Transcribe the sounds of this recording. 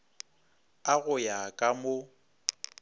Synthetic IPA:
aɣʊjakʼamo

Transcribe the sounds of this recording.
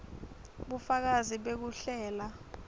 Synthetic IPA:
ɓufak̬aziɓek̬uɬɛːla

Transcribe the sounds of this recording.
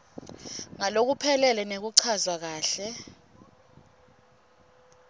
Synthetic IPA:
ŋalok̬upʰɛlɛlɛnek̬uǀʰazwak̬aːɬɛ

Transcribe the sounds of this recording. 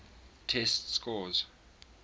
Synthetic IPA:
tʰɛstskɔz

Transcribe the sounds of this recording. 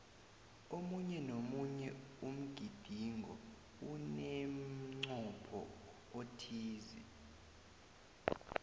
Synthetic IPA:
omuɲɛnomuɲɛum̩ɡ̥ʱid̥ʱiŋʱɔ | unem̩ŋ͡ǀɔpʰɔ̰ | otʰiːzḭ

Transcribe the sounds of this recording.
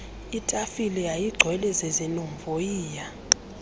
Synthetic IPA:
itʼafilɛjajiɡ͡ǀʱwɛlɛzezinɔmvojiːja

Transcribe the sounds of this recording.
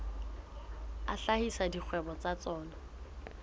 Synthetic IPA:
aɬahisadik͡xʰwɛbɔt͡sat͡sɔːnɔ

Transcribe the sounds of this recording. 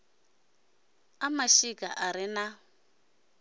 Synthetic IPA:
amaʃikʼaʔaɾina

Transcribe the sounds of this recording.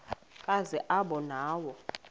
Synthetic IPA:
kʼazɛʔaɓɔnaːwɔ

